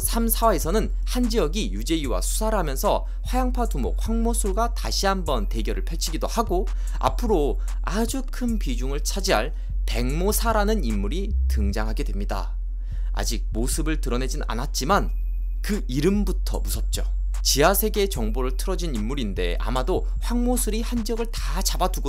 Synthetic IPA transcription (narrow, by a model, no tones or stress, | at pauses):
sʰamsʰawaesʰʌnɯn | hand͡ʑiʌɡijud͡ʑe̞iwa̰sʰu̥sʰaɾɯɭɦamjʌnsʰʌ | ɸwajaŋpʰatumokʰwaŋmosʰuɭɡwataɕʰiɦambʌnte̞ɡjʌɾɯɭpʰeɭt͡ɕʰiɡidohaɡo | a̰pʰɯɾo | ad͡ʑukʰɯnpid͡ʑuŋɯɭt͡ɕʰad͡ʑiɦaɭ | te̞ŋmosʰaɾanɯnimːuɾitɯŋd͡ʑaŋɦaɡe̞dwemɲida̰ | a̰d͡ʑik̚mosʰɯbɯɭtɯɾʌne̞d͡ʑina̰nat̚t͡ɕ͈iman | kɯ | iɾɯmbutʰʌ̰musʰʌt̚t͡ɕ͈o | t͡ɕiasʰe̞ɡe̞t͡ɕʌŋboɾɯɭtʰɯɾʌd͡ʑinimːuɾinde̞̰a̰mado | ɸwaŋmosʰuɾihand͡ʑʌɡɯɭta | t͡ɕabaduɡo